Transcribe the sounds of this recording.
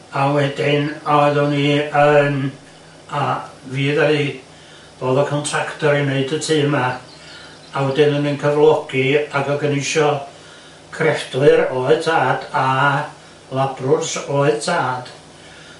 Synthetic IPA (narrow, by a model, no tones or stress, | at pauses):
awɛdɪnɔɨðɔniən | aviːðaði | b̥oːðɔkʰɔntʰraktɔɾineɨdətʰiːma | awɛdɪnənənkʰəvlˠɔɡ̥iaɡɔɡənɨjʃɔ | kʰrɛfd̥lɨɾoːɨðtʰaːd̥a | lˠabrʊrsoːɨðtʰaːd̥